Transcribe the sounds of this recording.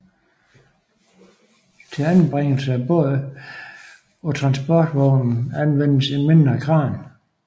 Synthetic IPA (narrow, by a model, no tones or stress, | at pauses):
t͡sʰe̝lænb̥ʁeŋ̰l̩səæb̥ɔːðˠə | ɒ̽t͡sʰʁɑ̈nsb̥ɒd̥ʋɒʊnn̩ænʋen̰əsime̝nd̥ʁɐɡ̥ʰʁɑ̈ːn